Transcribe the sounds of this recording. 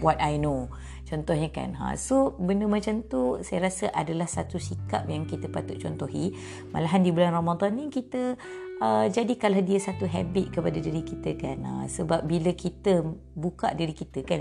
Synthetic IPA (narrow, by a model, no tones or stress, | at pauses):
wɔt̪̚ajno | t͡ʃɔnt̪ɔhɲəka̰nã̰sobəndəmat͡ʃamt̪usajəɾasəʔadalahsat̪usika̰p̚jaŋkit̪əpat̪ʊʔ̪̚t͡ʃɔnt̪ɔɦi | ma̰laɦandibəlanromad̪ɔnːĩkit̪ə | əd͡ʒadikaladiəsat̪uɦɛ̰bit̪̚kəpadadiɾikit̪əkana̰səbap̚biləkit̪ə | buka̰ʔdiɾikit̪əkan